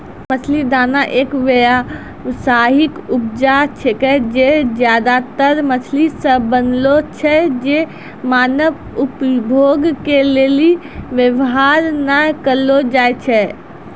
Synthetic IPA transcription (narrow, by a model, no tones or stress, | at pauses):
mət͡ʃʰlid̪anaʔeːkʋəja | saɦikup̚d͡ʒat͡ʃʰɛkɛd͡ʒed͡ʒjad̪at̪əɾmət͡ʃʰlisə̃bənlot͡ʃʰɛd͡ʒe | maːnəʋ | upbʱoɡkeleli | ʋjəʋɦaɾnakəɾlod͡ʒajt͡ʃʰɛ